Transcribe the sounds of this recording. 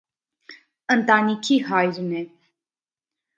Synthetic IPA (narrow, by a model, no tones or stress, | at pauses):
ənt̪ɑnikʰiɦɑjɾnɛ